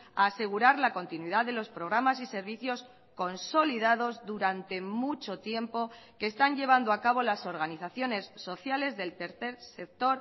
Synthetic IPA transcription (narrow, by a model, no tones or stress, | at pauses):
a̰ːse̞ɣ̞uɾaɾlako̞nt̪inwiðaðe̞lo̞spɾo̞ɣ̞ɾamas̬ise̞ɾβiθjo̞s | ko̞nso̞liðaðo̞zðuɾant̪e̞mut͡ʃo̞t̪je̞mpo̞ke̞ːst̪anʎe̞β̞and̪oakaβo̞laso̞ɾɣaniθaθjo̞ne̞sːo̞θjale̞zðe̞lt̪e̞ɾθe̞ɾse̞k̚t̪o̞ɾ